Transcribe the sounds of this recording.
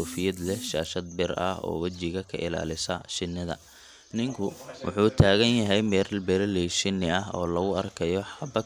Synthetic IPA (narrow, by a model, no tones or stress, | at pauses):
uːfɪjɐd̪lɛʃaːʃɐd̪̚bɪrɐ̰hɔ̰ːwɐt͡ʃɪɣɐkʰɐʔɪla̰ːlɪsɐʃɪnːɪðɐ̰ | nɪŋkʰʊwʊ̰ħuːt̪ʰaːɣɐnjɐɦɛjmɛɾlbɛlɛlɛʃɪnːɪɐɦɔ̰ːlɐɣʊɐrkʰɐjɔħɐbɐ